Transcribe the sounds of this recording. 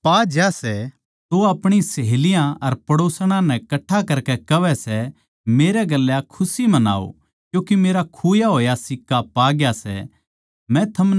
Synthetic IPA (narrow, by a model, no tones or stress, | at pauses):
paːd͡ʒasɛ | t̪oaːpɽ̃isɐɦelɪjãɐɾpɐɽoːsɽ̃ãnɛkɐʈʰːakɐɾkɛkɐʋɛsɛ | meːɾɛɡɐlːjakʰʊsimɐna̰ːo̰ | kjũːkimeːɾakʰuːjaɦoːjasɪkːapaːɡjasɛ̰ | mɛ̃t̪ʰɐmn